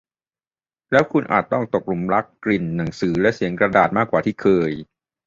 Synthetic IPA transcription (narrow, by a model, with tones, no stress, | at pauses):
lɛː˦˥wkʰu˧nʔa̰ː˨˩t̪ːɔ˥˩ŋt̪o˨˩k̚lu˨˩˦mɾa˦˥kːli˨˩nːa˩˦ŋsɯː˩˦lɛ˦˥ʔsi˩˦əŋkɾa˧daː˨˩t̪̚maː˥˩kːwaː˨˩t̪ʰiː˥˩kʰɤː˧j